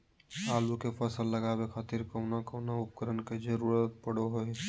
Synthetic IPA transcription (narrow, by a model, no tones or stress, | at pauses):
ɦaːlukepʰəsəlːəɡabekʰat̪iɾkəʊnakəʊnaup̚kəɾənked͡ʒəɾuɾət̪̚pəɽoɦoj